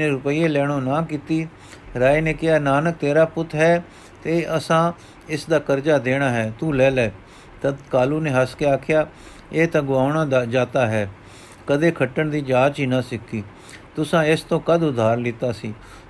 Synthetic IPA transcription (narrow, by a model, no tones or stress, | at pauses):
eːɾʊpəiːeːlɛːɽ̃õːnãːkiːt̪iː | ɾaːineːkɪjaːnaːnək̚t̪eːɾaːpʊt̪ʰɦɛː | t̪eːəsãː | ɪsd̪aːkəɾd͡ʒaːd̪eːɽ̃aːɦɛːt̪uːlɛːlɛː | t̪əd̪kaːluːnẽːɦəskeaːkʰɪjaː | eːt̪ãːɡʊaːʊɳaːd͡ʒaːt̪aːɦɛː | kəd̪eːkʰəʈːəɳd̪iːd͡ʒaːt͡ʃiːnaːsɪkːiː | t̪ʊsãːɪst̪õːkəd̪ʊd̪ʱːaːɾlɪt̪aːsiː